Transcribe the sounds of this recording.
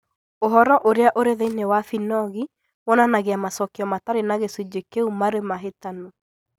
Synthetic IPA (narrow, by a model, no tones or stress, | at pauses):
oɦɔɾɔʔoɾeaʔoɾeðeinewafinɔɣi | wɔnanaɣeamasɔkeɔmataɾenaɣesud͡ʒekeumaɾemaɦetano